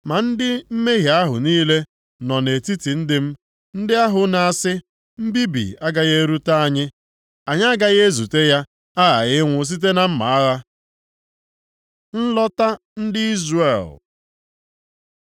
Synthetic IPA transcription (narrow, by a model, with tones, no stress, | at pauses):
ma˨n̩˦dɪ˦m̩˦me˦ɦja˨a˦ɦʊ̰˨niː˦le˦ | nɔ˨ne˨ti˦ti˨n̩˦dɪ˦m̩˦ | n̩˦dɪ˦a˦ɦʊ˨na˨a˨sɪ˦ | m̩˦bi˦bḭ˨a˦ɡa˨ɣe˦ɾu˦ta˦a˨ɲɪ˦ | a˨ɲ˦a˦ɡa˦ɣe˦e˦zu˨te˦ja˦ | a˦ɣa̰˨ɣɪ˦ŋʷʊ˦s̬i˦t̬e˦na˨m̩˦ma̰˨a˦ɣa˦ | n̩˦lɔ˦ta˦ | n̩˦dɪ˦i˦zrḛ˨l